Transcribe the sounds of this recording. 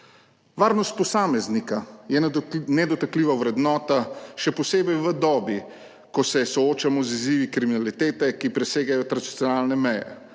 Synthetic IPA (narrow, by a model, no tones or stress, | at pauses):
ʋaːɾnɔst̪̚pɔsaːmɛznikajɛnɛd̪ɔt̪akliːʋawɾɛd̪nɔːt̪aʃɛpɔseːbɛjʋəd̪ɔːbi | kɔsɛsɔoːt͡ʃamɔziziːʋikɾiminalit̪eːt̪ɛkipɾɛseːɡajɔt̪ɾad̪it̪sʲjɔnaːlnɛmɛjɛ̰